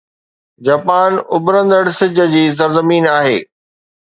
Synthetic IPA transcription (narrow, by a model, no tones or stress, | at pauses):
d͡ʑaːpaːnʊbɾə̃nd̪əɽsɪd͡ʑə̆d͡ʑiːs̬ɐɾzəmiːnaːɦeː